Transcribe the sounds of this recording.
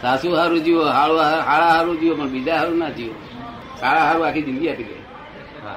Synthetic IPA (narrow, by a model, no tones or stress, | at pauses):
sasuɦaɾud͡ʒioɦaɭuɦaɭaɦaɾud͡ʒiopɔnbid͡ʒaɦaɾunad͡ʒio | saɭaɦaɾuakʰid͡ʒind̪iat̪ilḛ | ɦa̰